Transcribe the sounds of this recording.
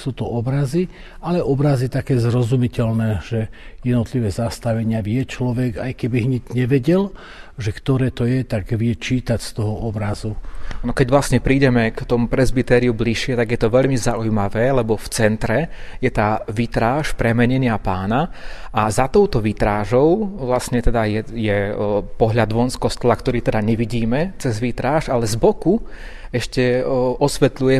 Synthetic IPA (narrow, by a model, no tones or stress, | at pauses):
suːt̪ɔɔbɾazi | alɛʔɔbɾazit̪akɛːzɾɔzumicɛlnɛːʒ̥ɛjɛd̪nɔt̪liʋɛːzast̪aʋɛɲɪaʋɪjɛt͡ʃlɔʋɛɡa̰jkɛbiɦɲɛɟɲɛʋɛɟɛl | ʒɛkt̪ɔɾɛːt̪ɔjɛt̪aɡʋɪɛt͡ʃiːt̪acst̪ɔɦɔɔbɾazuanɔkɛɟʋlasɲɛpɾiːɟɛmɛkt̪ɔmupɾɛzbit̪ɛːɾiubliʃɪɛt̪aɡjɛt̪ɔʋɛʎmizaujmaʋɛːlɛbɔft͡sɛnt̪ɾɛjɛt̪aːʋit̪ɾaːʃpɾɛmɛɲɛɲɪapaːnaʔazat̪ɔʊt̪ɔʋit̪ɾaːʒɔʊʋlasɲɛt̪ɛd̪ajɛjɛpɔɦʎad̪ʋɔnskɔst̪ɔlakt̪ɔɾiːt̪ɛd̪aɲɛʋiɟiːmɛt͡sɛzʋit̪ɾaːʒalɛzbɔku | ɛʃcɛʔɔsʋɛt̪lujɛ